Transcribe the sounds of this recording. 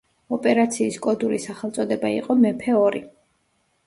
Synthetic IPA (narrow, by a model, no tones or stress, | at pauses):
ɔpʼɛɾat̪sʰiːskʼɔd̪uɾisaχɛlˠt̪sʼɔd̪ɛbaḭqʼɔmɛpʰɛɔɾi